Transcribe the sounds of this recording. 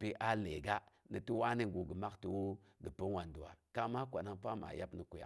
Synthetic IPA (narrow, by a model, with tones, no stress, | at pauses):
pi˦ʔa˦le˨ɡa˦ni˨ti˦wa˦ni˦˨ɡu˨ɡə˨ma˦kti˨wo˦ | ɡə˨pə˦wa˨ndu˨a̰˨ɾka˦ma˦kʷa˨na˦ŋpa˦ma̰˨ja˦pni˨ku˨ja̰˨